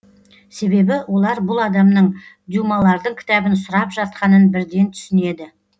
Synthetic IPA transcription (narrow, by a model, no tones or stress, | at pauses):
se̞be̞bɪwʔo̞lˠɑɾbʊlˠɑd̪ɑmnəɴ | d̪jumɑlˠɑɾd̪əɴkʲʰɪ̥t̪ɑbənsʊɾɑpʒɑt̪̚qɑnənbɪɾd̪e̞nt̪ʰʏ̥sɪne̞d̪ɪ